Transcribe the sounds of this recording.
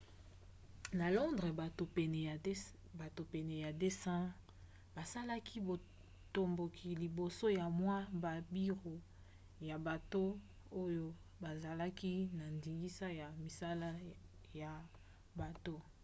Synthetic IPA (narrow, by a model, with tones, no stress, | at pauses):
na˨lɔ˦ndʁɛ˨ɛ˨ | ba˨to˨pɛ˨nɛ˨ja˨de˦sã˦ | ba˨sa˦la˦kʰi˦bo˨ | to˨mbo˨kʰi˨li˨bo˨so˦ja˨mwa˦ba˨bi˦ʁo˨ | ja˨ba˨to˦ | o˦jo˦ | ba˨za˨la˦ki˦na˨ndi˨ŋɡi˦sa˦ja˨mi˨sa˦la˦ | ja˨ | ba˨to˦